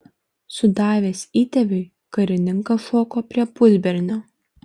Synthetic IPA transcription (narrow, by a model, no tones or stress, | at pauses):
sʊd̪ɑːʋʲeːsʲiːt̪ʲɛʋʲɪɪ | kɐɾʲɪnʲɪŋkɐʃɔːkoːpʲɾʲiɛpʊzʲbʲɛɾʲnʲoː